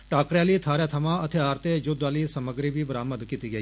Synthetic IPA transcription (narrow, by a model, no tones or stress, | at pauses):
ʈaːkɾjaːlit̪ʰaːɾat̪ʰɐmãɐt̪ʰeaːɾt̪ed͡ʒʊd̪ʋalisəməɡɾibibɾaːməd̪kit̪iɡɐi